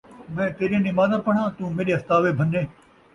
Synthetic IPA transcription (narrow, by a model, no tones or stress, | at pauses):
mɛ̃ːt̪eːɾiẽnɪmaːzãːpɐɳ̤̃ãːt̪ũːmeːɗeɐst̪aːʋebʱɐnːẽː